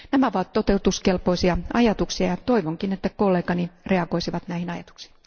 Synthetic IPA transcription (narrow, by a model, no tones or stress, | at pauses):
næmæoʋɑt̪t̪ot̪eut̪uskelpoisiɑɑjɑt̪uksiɑjɑt̪oiʋoŋkinet̪ːækolːeːkɑnireɑɡoisiʋɑt̪næihinɑjɑt̪u̥ksi̥ːn